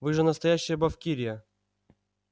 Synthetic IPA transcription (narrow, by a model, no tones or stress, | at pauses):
vɨʐɨnəst̪ɐjæɕːɪjəbɐfkʲiɾʲɪjə